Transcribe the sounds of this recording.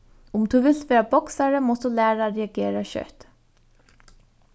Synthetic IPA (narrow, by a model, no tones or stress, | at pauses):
ʊmt̪ʰuʋɪlt̪ʋeːɾabɔksaɾəmɔst̪ulæːɾaɾɛaɡeːɾaɕœ̰t̪